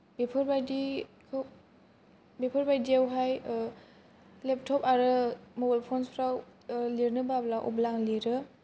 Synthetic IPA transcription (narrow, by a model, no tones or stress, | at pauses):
bepʰɯɾbajdikʰ | bepʰɯɾbajdiawɦaj | lep̚tʰɔpaɾɯmobajlpʰonspʰɾawliɾnɯbablaʔɔ̰blaŋliɾɯ